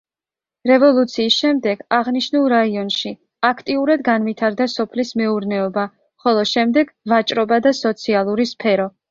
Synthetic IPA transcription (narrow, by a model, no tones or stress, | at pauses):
ɾɛvɔlˠut̪sʰiːsʃɛmd̪ɛɡ̥aʁniʃnulˠɾaiɔnʃi | akʰt̪ʼiuɾad̪ɡanvit̪ʰaɾd̪asɔpʰlismɛuɾnɛɔba | χɔlˠɔʃɛmd̪ɛɡ̥vat͡ʃʼɾɔbad̪asɔt̪sʰialˠuɾispʰɛɾɔ